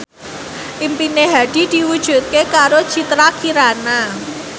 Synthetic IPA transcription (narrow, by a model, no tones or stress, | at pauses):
ʔimpineɦad̥i̤d̪̥i̤wud̥ʒ̥ṳt̪̚kekaɾod̥ʒ̥it̪ɾakiɾana